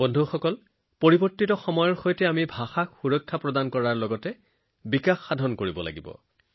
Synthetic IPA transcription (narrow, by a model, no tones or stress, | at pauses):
bɔndʱuxɔkɔl | poɹibɔɹtːitɔxɔmɔjɔɹxojtɛamibʱaxakxuɹɔkʰːapɹɔdankɔɹaɹlɔɡɔtɛ | bikaxːadʱɔnkoɹibɔla̰ɡibɔ̰